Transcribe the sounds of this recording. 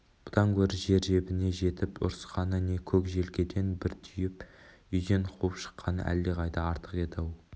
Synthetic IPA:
b̥ʊd̪ɑŋkʲʰɵɾɪʒe̞ɾʒe̞bɪne̞ʒe̞t̪ɪpʊ̰ɾsqɑnəne̞kʲʰɵkʒe̞lɡʲe̞d̪e̞nbɪɾt̪ʰʏjɪp | ʏjd̪e̞nqʰuəpʃə̥qːɑnə̰ʔæ̰lːeʁɑjd̪əɑɾt̪ə̥qet̪ɑw

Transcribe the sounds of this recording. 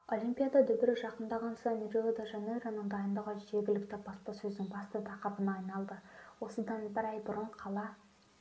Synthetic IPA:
o̞lʲˠimpʲijad̪ɑd̪ʏbɪɾɪʒɑqənd̪ɑʁɑnsɑmeɾiod̪aʒɑneɾanəɴd̪ɑjənd̪əʁəʒe̞ɾɡʲɪlɪkt̪ɪbɑspɑsɵzd̪ɪŋbɑst̪ət̪ʰɑqɑpənɑːjnɑlˠd̪əwo̞səd̪ɑnbɪɾɑjbʊɾəɴqʰɑlˠɑ

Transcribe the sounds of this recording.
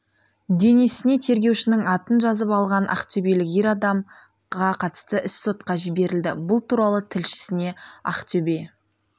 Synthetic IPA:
d̪e̞nesɪne̞t̪ʰe̞ɾɡʲewʃɪnɪŋɑt̪ənʒɑzəpɑlˠʁɑnʔɑ̰qt̪ʰɵbe̞lɪkeɾɑd̪ɑm | ʁɑqʰɑt̪ə̥st̪əʔɪsːo̞t̪̚qɑʒɪbe̞ɾɪld̪ɪ̰bʊlˠt̪ʰuɾɑlˠət̪ʰɪlʃɪ̥sɪne̞ɑ̰qt̪ʰɵbe̞

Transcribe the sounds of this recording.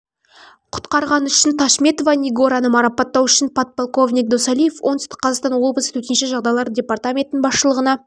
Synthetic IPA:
qʰʊ̥t̪qɑɾʁɑnʏʃɪnt̪ʰɑʃmʲe̞t̪ovaniɡo̞ɾɑnəmɑɾɑpɑt̪ːɑwʏʃɪnpʰat̪̚polˠko̞vnijk̚d̪osɑlʲijefwʔo̞nʏst̪ɪ̥qʰːɑzɑqst̪ɑnwo̞lˠbəsə̥t̪ʰɵt̪enʃɪʒɑʁd̪ɑjlˠɑɾədʲe̞part̪amʲe̞t̪ɪnɪnbɑsʃəlˠəʁənɑ

